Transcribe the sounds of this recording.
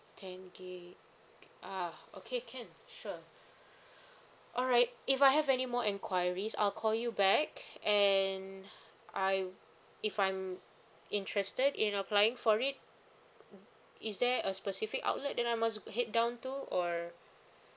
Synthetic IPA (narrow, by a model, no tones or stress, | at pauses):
tʰɛ̃nɡe | ʔao̰kʰekʰɛ̃nʃu | ʔɔlɹaɪt̚ifaɪɦɛvɛnimɔʔɛ̃nkʰwajəɹisa̰ɪlkʰɔljubɛkɛ̃n | aɪ | ifãjm | ĩntʰɹɛstədĩnəpʰlajɪ̃ŋfɔɹit̚ | ɪsdɛəspəsifɪka̰ʊt̚lət̚dɛ̃najmas̬ɦɪt̚dãʊ̃ntuɔ